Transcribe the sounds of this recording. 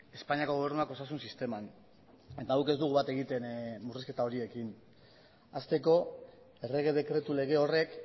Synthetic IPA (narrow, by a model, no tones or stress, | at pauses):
e̞spaɲiako̞ɣo̞β̞e̞ɾnuakosasunsist̪e̞man | e̞t̪aawke̞zd̪uɣuβat̪e̞ɣ̞it̪e̞nmuriske̞t̪ao̞ɾie̞kin | ast̪e̞ko̞ | e̞re̞ɣ̞e̞ðe̞kɾe̞t̪ule̞ɣ̞e̞o̞re̞k